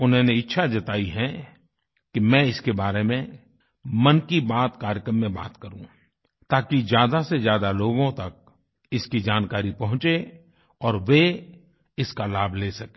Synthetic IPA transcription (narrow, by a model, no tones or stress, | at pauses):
ʊnɦõneɪtːʃʰad͡ʒɐt̪aːiɦɛ̃ | kimɛ̃ɪskebaːɾemẽ | mɐnkibaːt̪kaːɾjəkɾəmːẽba̰ːt̪kɐɾṵ̃ | t̪aːkizjaːd̪asezjaːd̪aloːɡõt̪ɐk̚ | ɪskid͡ʒaːnkaːɾipɐɦʊ̃t͡ʃe | ɔːɾʋe | ɪskalaːbʱleːsɐke̥